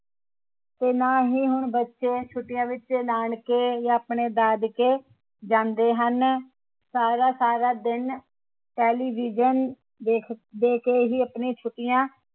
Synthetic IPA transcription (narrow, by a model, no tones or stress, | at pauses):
t̪eːnãːɦiːɦʊɳbətːʃeːt͡ʃʰʊʈːɪjãːʋɪt͡ʃːt͡ʃːlaːɳkeːjãːəpɳeːd̪aːd̪keː | d͡ʒãːnd̪eːɦən | saːɾaːsaːɾaːd̪ɪn | ʈɛːliːʋid͡ʒən | eːkʰd̪eːkeːɦiːəpnẽːt͡ʃʰʊʈːɪjãː